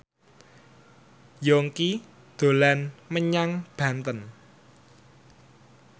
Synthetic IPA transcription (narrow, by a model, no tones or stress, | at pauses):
joŋki | d̪̥o̤lanməɲaŋb̥a̤nt̪ən